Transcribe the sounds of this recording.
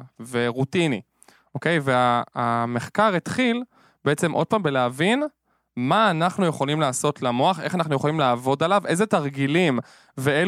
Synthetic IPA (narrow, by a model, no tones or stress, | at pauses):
ve̞ʁutinḭ | ʔoke̞jveaameχkaʁet̪χil | beet͡se̞mʔo̞̰d̚paːmbeleavin | maːnaχnujeχo̞limlaːso̞tlamo̞aχeχanaχnujeχolimlaːvo̞dalavʔe̞jzet̪aʁɡilim | vee